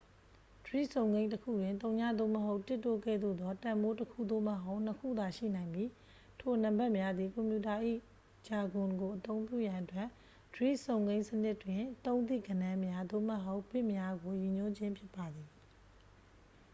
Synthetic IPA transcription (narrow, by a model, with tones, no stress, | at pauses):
d̥əɹḭ˦˨sʰõ˨ʊ̃ŋɡẽ˦ɪ̃təkʰṵ˦˨jwɪ̃˨nt̪̬õ˦ʊ̃ɲa̰˦˨d̪o̰˦˨məɦo˦ʊtːɪ˦tːo˦˨ɡɛ̰˦˨d̪o̰˦˨d̪ɔ˦tã˨mbo˦təkʰṵ˦˨d̪o̰˦˨məɦo˦ʊ̃n̥əkʰṵ˦˨d̪a˨ʃḭ˦˨nã˨ɪ̃mbji˦ | tʰo˨nã˨mbɛ˦ʔmja˦d̪ði˨kɔ̃˨mpju˨ta˨ʔḭ˦˨ | d͡ʑa˨ɡʊ̃˨nɡo˨ʔət̪õ˦ʊ̃mpjṵ˦˨jã˨ʔətwɛ˦˨ʔ | d̥əɹḭ˦˨sõ˨ʊ̃ŋɡẽ˦ɪ̃sənɪ˦ʔtwɪ̃˨t̪õ˦ʊ̃t̪̬ḭ˦˨ɡə˨nã˦mja˦d̪o̰˦˨məɦo˦ʊʔb̥ɪ˦ʔmja˦ɡo˨ji˨ɲo˦d͡ʑɪ̃˦mpʰjɪ˦pːa˨d̪i˨